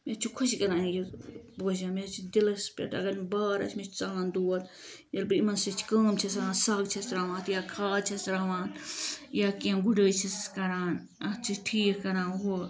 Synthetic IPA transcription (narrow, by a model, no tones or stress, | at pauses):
met͡ʃʰukʰusikɐɾaːnjiboːd͡ʒãːmet͡ʃʰid̪ilɐspʲḛʈɐ̰ɡɐɾbaːɾɐ̰t͡ʃʰmet͡ʃʰt͡saːlãːnd̪uːɐt̪ | jɐlbiɾimɐnsit͡ʃʰkɐːmt͡ʃʰɐsãːnsɐːɡt͡ʃʰɐsɾaːʋãːt̪jaːkʰaːt͡ʃʰɐsɾaːʋãːt̪jaːkẽmɡuɖəːt͡ʃʰiskɐɾaːn | ɐt͡ʃʰiʈʰiːkkɐɾãːnɦo